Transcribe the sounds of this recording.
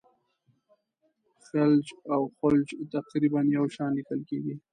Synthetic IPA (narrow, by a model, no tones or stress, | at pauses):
fald͡ʒawxʊld͡ʒt̪aqɾibanjawʃɑnlikəlkeɡi